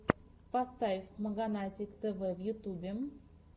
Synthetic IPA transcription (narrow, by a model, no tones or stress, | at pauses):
past̪avʲɪfʲməɡanat̪ʲɪkt̪ɛvɛvjʊt̪ubʲɪm